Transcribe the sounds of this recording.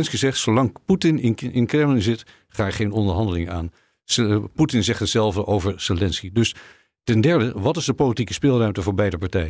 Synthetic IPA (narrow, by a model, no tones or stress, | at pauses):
nskizɛχtsowlɑŋputɪnɪɪ̰nkrɛmlənzɪt | χaːəχejnɔndəɹɦɑndəlɪŋa̰ːn | putɪnzɛχtətsɛlˠvdəʔowvəɹselɛnskidɵs | tɛndɛɹdəʋɑtɪzdəpolitikəspɪːlˠrœɥmtəvʊːɹbɛjdəpɑɹtɛjə